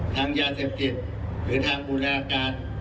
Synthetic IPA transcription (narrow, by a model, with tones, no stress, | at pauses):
t̪ʰaː˧ŋjaː˧seː˨˩p̚t̪i˨˩t̪̚ | ɾɯː˩˦t̪ʰaː˧ŋbuː˧laː˧kaː˧n